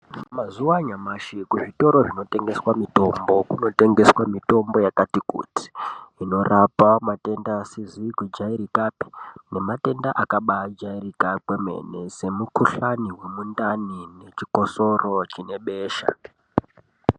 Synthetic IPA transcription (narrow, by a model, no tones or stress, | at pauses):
mazuwaɲamaʃikuʐito̞ɾo̞ʐino̞te̞ŋɡe̞swamito̞mbo̞kuno̞te̞ŋɡe̞swamito̞mbo̞jakatikṵti̥ːno̞rʔapamate̞ndasiziɡwid͡ʒaiɾikapi̥ne̞mate̞ndaʔakaɓad͡ʒairikakweme̞̰ne̞se̞mukuɬaniwe̞mundanine̞t͡ʃiko̞so̞ro̞t͡ʃine̞ɓeːʃa̰